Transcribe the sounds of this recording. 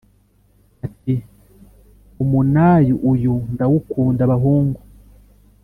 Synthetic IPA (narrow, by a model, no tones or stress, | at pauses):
ati | umunaːjuʔujundawukuːndaβaɦuːŋɡu